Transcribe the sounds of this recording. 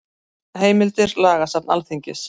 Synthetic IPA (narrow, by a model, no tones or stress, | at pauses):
heːjmɪlt̪ɪɾlaːɣasap̚na̰lθiɲcɪs